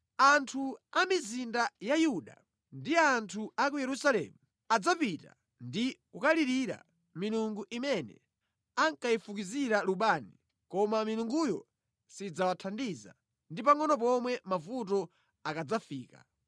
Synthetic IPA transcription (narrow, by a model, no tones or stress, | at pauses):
antʰuamizindajajuɗa̰ | ndiantʰuak̬ujɛɾusalɛ̰ːmu | ad͡zapita̰ | ndikukaliɾiɾa̰ | miluŋɡuʔimɛnɛ̰ | aŋkaifukiziɾaluɓaːni | kɔmamiluŋɡujɔ | sid͡zawatʰandiza̰ | ndipaŋɔnɔp̬ɔmwɛmavut̬ɔ | akad͡zafiːka̰